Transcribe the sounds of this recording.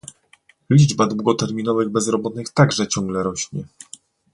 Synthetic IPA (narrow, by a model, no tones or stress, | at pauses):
lʲid͡ʐbad̪wuɡɔt̪ɛɾmʲinɔvɘɣbɛzɾɔbɔt̪nɘxt̪aɡʐɛt͡ɕɔ̃ŋɡlɛɾɔɕɲɛ